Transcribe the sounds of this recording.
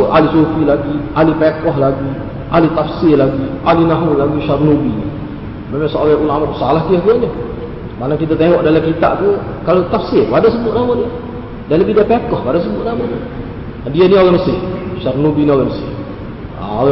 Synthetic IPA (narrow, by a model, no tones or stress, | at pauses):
ʔa̰lisofilaɡialipekɔɦlaɡi | alit̪afsɪlaɡiʔalinaɦunlaɡiʃarnubinḭ | memaŋsoʔalaʔunamat̪salahk̪iəhkəɲə | manakit̪at̪eŋɔʔdalakit̪aʔt̪u | kalot̪afsɪradaʔsəbʊʔ̪̚namani | daləbidapekɔhpadas̬əbʊʔ̪namani | dianioɣanəsɪhʃarnubinioɣanəsɪ̰ | a̰oɣ